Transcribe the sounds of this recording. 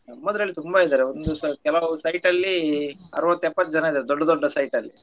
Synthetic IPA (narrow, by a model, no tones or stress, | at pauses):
nɐmːɐd̪ɾɐlːit̪uumbɐid̪aːɾeond̪uskɛlɐʋusɐjʈɐlːiɐ̰ɾʋɐt̪ːɛpːɐt̪ːd͡ʒɐnɐid̪aːɾed̪ɔɖːɐd̪ɔɖːɐsɐjʈɐlːi